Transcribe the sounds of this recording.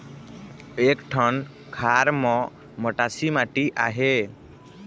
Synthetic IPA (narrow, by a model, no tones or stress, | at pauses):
ekʈʰʌn | kʰaɾmɔ̃ | məʈasimaʈiʔaɦe